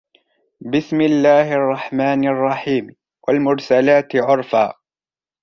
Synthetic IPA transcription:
bɪsmɪlːaːhɪʔɑrˤːɑħmaːnɑrˤːɑħiːm | wʔalmʊɾsalaːt̪ɪʕʊɾfaː

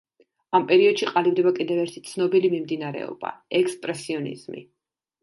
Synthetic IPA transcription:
ampʼɛɾiɔd̪̥ʃiqʼalivd̪ɛbakʼid̪ɛvɛɾt̪ʰi̥t̪sʰnɔbilimimd̪inaɾɛ̰ɔ̰b̥a̰ɛkspʼɾɛsiɔnḭz̥mḭ

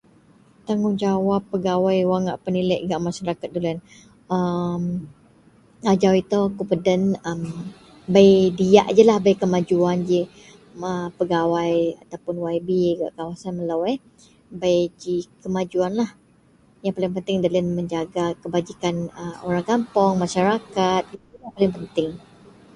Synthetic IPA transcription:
t̪aŋɡʊŋd͡ʒawapːəɡawajwaŋaʔpəniləʔɡaʔmaʃaɾakat̪̚dələn | əm | ad͡ʒawit̪okupədənəm | bajdia̰ʔd͡ʒəlahbajkəmad͡ʒuand͡ʒə | əpəɡawajat̪awpʊnwajbiɡa̰ʔkawasanməlawɛ | bajd͡ʒikəmãd͡ʒuanlah | jaŋpalɪŋpənt̪ɪŋdalənməɲd͡ʒaɡakəbad͡ʒikanəmoɾaŋkampɔŋmãʃaɾakat̪̚it̪uujaŋpalɪŋpənt̪ɪŋ

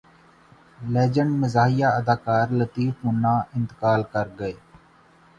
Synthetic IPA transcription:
lɛːd͡ʒəɳɖməzaːɦijaːəd̪aːkaːɾlət̪iːfmʊnːãːɪ̃nt̪əkaːlkəɾɡəeː

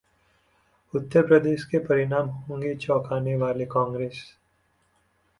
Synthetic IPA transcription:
ʊt̪ːəɾpɾəd̪eːʃkepɐɾɪnaːmɦõːŋɡet͡ʃɔːkʰaːneʋaːlekãːŋɡɾeːs

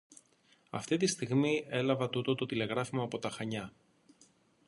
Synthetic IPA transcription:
ɐ̰ft̪it̪ist̪iɣmie̞lɐvɐt̪ut̪o̞t̪o̞t̪ile̞ɣɾɐfimɐːpo̞t̪ɐxɐɲɐ

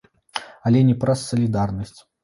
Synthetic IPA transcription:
ɐlʲɛnʲɛpɾɐsːɐlʲid̪arnɐsʲt͡sʲ

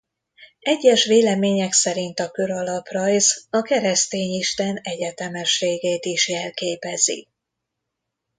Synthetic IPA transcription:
ɛɟːɛʃʋeːlɛmeːɲɛksɛɾint̪ɒkø̞ɾɒlɒprɒjzɒkɛɾɛst̪eːɲiʃt̪ɛnɛɟɛt̪ɛmɛʃːeːɡɛjt̪iʃjɛlkeːpɛzḭ

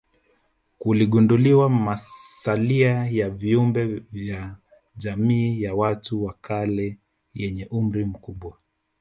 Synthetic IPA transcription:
kuliɠunduliwamasaliajaviumbɛvja | ʄamiːjawatuwakalɛ | jɛɲɛʔum̩ɾim̩kuɓwa

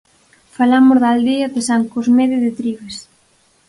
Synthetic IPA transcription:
falamʊzðald̪iɐðɪsaŋkozmeðɪðɪt̪ɾiβes

